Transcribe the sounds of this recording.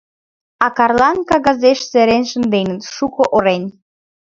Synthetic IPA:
ɑkɑrlɑnkɑɣɑzeʃseɾenʃə̆nd̪enət̪ʃukoʔoɾen

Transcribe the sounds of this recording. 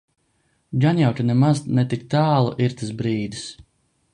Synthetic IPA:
ɡanjawk̪ʲinɛmaznɛt̪ik̚t̪aːlˠṵʔiɾt̪asbɾiːd̪is

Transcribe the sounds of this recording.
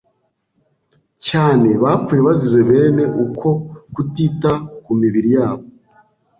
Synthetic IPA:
caːne̞βakweβazize̞βe̞ːne̞ʔukʰo̞kutitakumiβiɾijaːβo

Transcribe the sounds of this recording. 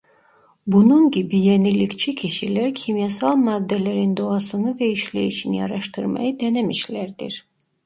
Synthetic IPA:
bununɟibijenilʲːict͡ʃʰicʰiʃilæɾcʰimjasalˠmad̪ːelʲeɾind̪o̞ɑsɯnɯvɛiʃlḛjiʃinijɑ̰ɾɑʃt̪ʰɯɾmɑ̰jɯd̪enemiʃlʲæɾd̪ḭɾ̥

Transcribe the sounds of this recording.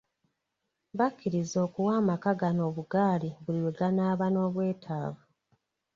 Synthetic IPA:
βakʰːiɾizo̞ːkuwaːmakaɡano̞ːβuɡaːliβuliweɡanaːβano̞ːβwe̞ːtʰaːvu

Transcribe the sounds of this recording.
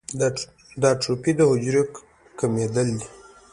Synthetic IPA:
d̪ɑʈopid̪əhʊd͡ʒɾik | kamed̪əld̪i

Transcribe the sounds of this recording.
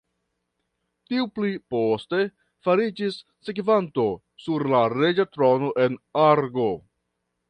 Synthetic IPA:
tiupliposte̞ | faɾid͡ʒisːekvanto̞ | suɾlaɾe̞d͡ʒatɾo̞no̞ʔe̞naɾɡo̞

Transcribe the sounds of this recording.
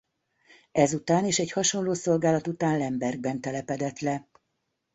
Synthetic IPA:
ɛzut̪aːneːʃɛchɒʃo̞nloːso̞lɡaːlɒt̪ut̪aːnlɛmbɛrɡ̚bɛnt̪ɛlɛpɛd̪ɛt̪lɛ

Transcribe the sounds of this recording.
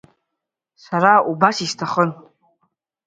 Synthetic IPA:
saɾaubasistʰaχən

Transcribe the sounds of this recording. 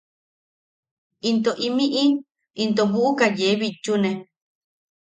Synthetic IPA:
int̪oʔimiʔi | int̪oβuʔukajeβit͡ʃːunẽ

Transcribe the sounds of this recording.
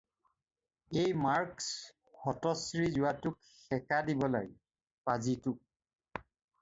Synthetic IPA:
ejmaɹks | hɔtɔsɹizʊwatʊk | xɛkadibɔla̰ɹi | pazitʊk̚

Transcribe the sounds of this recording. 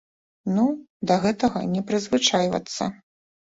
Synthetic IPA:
nu | d̪ɐɣɛt̪ɐɣɐ̰nʲɛpɾɨzvɨt͡ʂajvɐ̰t̪sːɐ̰

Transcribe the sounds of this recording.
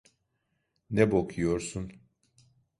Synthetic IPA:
nɛbokʰujo̞ɾsun

